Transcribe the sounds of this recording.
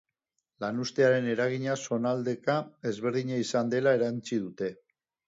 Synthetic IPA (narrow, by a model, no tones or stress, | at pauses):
lanust̪e̞aɾe̞ne̞ɾaɣ̞iɲaso̞nald̪e̞kae̞zβe̞ɾðiɲaisand̪e̞lae̞ɾant͡sið̞ut̪e̞